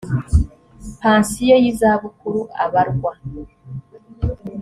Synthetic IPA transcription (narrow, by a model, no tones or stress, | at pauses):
paːnsijejizaβukuɾuʔa̰βaɾɡwa